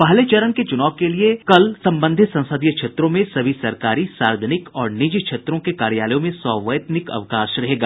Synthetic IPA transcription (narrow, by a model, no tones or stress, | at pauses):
pɐɦlet͡ʃɐɾənket͡ʃʊnaːʋkeliekɐlsɐ̃mbə̃nd̪ʱɪt̪sɐ̃nsəd̪ijəkʃʰeːt̪ɾõmẽsɐbʱisɐɾkaːɾisaːɾd͡ʒənɪkɔːɾnɪd͡ʒkʃʰeːt̪ɾõkekaːɾjaːləjõmẽsɔːʋəjt̪nɪkɐ̰ʋkaːʃɾɐɦeːɡaː